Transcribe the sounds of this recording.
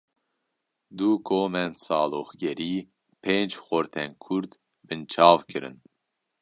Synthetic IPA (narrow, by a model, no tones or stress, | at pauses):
d̪ukʰoːmɛnsɑːloːxɡɛɾiː | pʰeːnd͡ʒxoɾt̪ʰɛnkʰuɾd̪ | bɨnt͡ʃʰɑːvkɨɾɨ̰n